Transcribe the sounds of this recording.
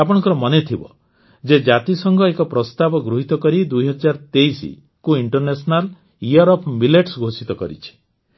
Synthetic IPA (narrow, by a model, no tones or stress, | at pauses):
apɔɽ̃ɔ̃ŋkɔɾɔmɔnet̪ʰibɔ̰ | d͡ʒed͡ʒat̪isɔŋɡʱɔekɔpɾɔst̪abɔɡɾuɦit̪ɔkɔɾid̪ujɦɔd͡ʒaɾt̪eisḭ | kuiɳʈɔɾnesɔnal | ijɔɾɔpʰbileʈsɡʱosit̪ɔkɔ̰ɾḭt͡ʃʰi̥